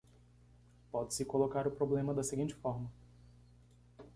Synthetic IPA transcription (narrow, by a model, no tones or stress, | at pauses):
pɔd͡ʒ̪ɪsɪkolokaɾʊpɾoblẽmɐd̪ɐseɡĩnt͡ʃɪ̥fɔɾmɐ